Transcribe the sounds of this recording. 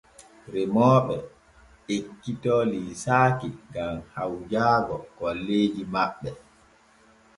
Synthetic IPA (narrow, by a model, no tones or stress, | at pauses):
ɾɛmɔːɓɛ | ekːitɔliːsaːkiɡamhawd͡ʒaːɡɔkɔlːeːd͡ʒimaɓːɛ